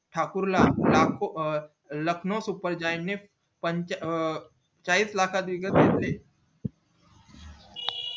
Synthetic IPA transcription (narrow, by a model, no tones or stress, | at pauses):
ʈʰaːkʊɾllaːko | lɐkʰnõsupəɾd͡ʒaːɪnne | pəɲt͡ʃ | t͡ʃaːliːslaːkʰad̪ʋɪɡət̪eːt̪leː